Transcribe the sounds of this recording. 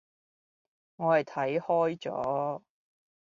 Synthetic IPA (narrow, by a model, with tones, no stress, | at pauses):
ŋɔː˨˧hɐ˨˩jt̪ʰɐ˨˥jhɔː˥jt͡sɔ̰ː˨˥